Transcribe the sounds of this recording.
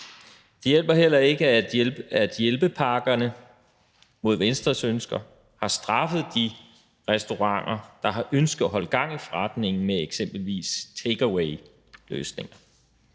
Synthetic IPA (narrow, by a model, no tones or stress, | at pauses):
d̥ejel̰b̥ɐɦel̰ɐe̝ɡ̥ə̥ | æd̥jelb̥əpʰɑ̈ːɡ̥ɐnə | mo̝ð̞ˠʋensd̥ʁɐsønsɡ̥ɐ | hɑ̈sd̥ʁɑ̈fəð̞̩ˠd̥i | ʁɛsd̥o̝ʁɑ̈ŋ̰ɐd̥ɑ̈ɦɑ̈ʔønsɡ̥ð̩ˠɒɦɒ̽l̰̥̚ɡ̥ɑ̈ŋ̰ifɒʁad̥ne̝ŋn̩meeɡ̥sem̰b̥l̩ʋḭːst͡sʰeɡ̥ɐweɪ | lø̰ːsne̝ŋɐ